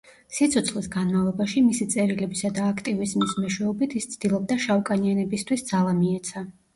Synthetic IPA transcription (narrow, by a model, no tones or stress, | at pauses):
sit̪sʰɔt̪sʰlisɡanmavlˠɔbaʃimisit̪sʼɛɾilɛbisad̪aːkʰt̪ʼivismismɛʃwɛɔbit̪ʰist̪sʰd̪̥ilˠɔb̚d̪aʃavkʼanianɛbist̪ʰwisd̪zalˠamiɛt̪sʰa